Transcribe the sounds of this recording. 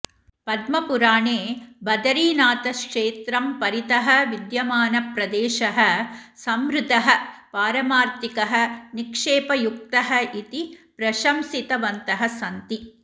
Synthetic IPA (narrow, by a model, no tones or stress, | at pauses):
pɐd̪mɐpuɾaːɳeːbɐd̪ɐɾiːnaːt̪ɐkʂeːt̪ɾɐmpɐɾit̪ɐɦɐ̆ʋid̪jɐmaːnɐpɾɐd̪eːʃɐɦɐ̆ | sɐmɾɪd̪ʱɐɦɐ̆paːɾɐmaːɾt̪ikɐɦɐ̆nikʂeːpɐjuk̚t̪ɐɦɐit̪ipɾɐʃɐmsit̪ɐʋɐnt̪ɐɦɐsɐnt̪i